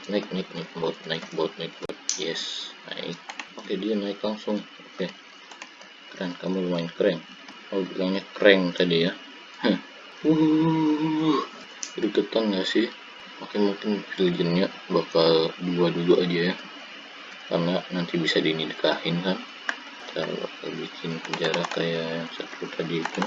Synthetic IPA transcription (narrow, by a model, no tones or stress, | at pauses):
naɪk̚naɪk̚naɪk̚bawat̪̚naɪk̚bawat̪̚naɪk̚baat̪̚jɛsna̰ɪ̰k̚okedianaɪklaŋsʊŋ | oke | kɾɛŋkamuləmaɪnkəɾɛŋ | kalubilaŋɲakəɾɛŋt̪adija | hə | u | h | ɾikut̪anɡasɪh | okɪmuŋkɪnfild͡ʒənɲa | bakalduaduluʔadiaja | ka̰rnanant̪ibisadinidəkahɪnkan | t̪ʰa̰ba̰ka̰lbit͡ʃʰɪnpəɲd͡ʒaɾakajajaŋsat̪əɾut̪ʰadiːt̪u